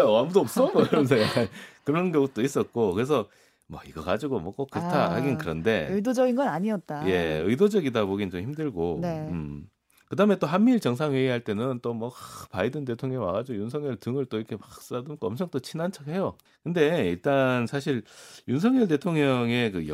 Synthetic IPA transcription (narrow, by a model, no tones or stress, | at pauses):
aamudoːp̚s͈ʌmʌkɾʌmensʰʌjak͈ankɯɾʌnɡʌŋut͈ois͈ʌt̚k͈okɯɾe̞s̬ʰʌ | mwʌiɡʌɡad͡ʑiɡomwʌk͈ok͈ːɯɾtʰahaɡinɯnkɯɾʌnde̞ɯdod͡ʑʌɡinɡʌnaɲiʌt̚t͈aje̞̰ɯidod͡ʑʌɡidaboɡint͡ɕomhçimdɯɭɡoɯm | kɯdaɦɯme̞t͈oɦanmːiɭt͡ɕʌŋsʰaŋwe̞iɦaɭt͈e̞nɯnt͈omwʌpaidɯnde̞tʰoŋɲʌŋwa̰ɡad͡ʑiɡojuns̬ʰʌŋɲjʌɭtɯŋɯɭt͈oiɾʌkʰe̞wak̚s͈ɯɾadonk͈ʌmt͡ɕʰʌŋt͈ot͡ɕʰinant͡ɕʰʌkhe̞jo | kɯnde̞iɭt͈ansʰaɕʰiɭjunsʰʌŋɲʌɭte̞tʰoŋɲʌŋe̞kɯj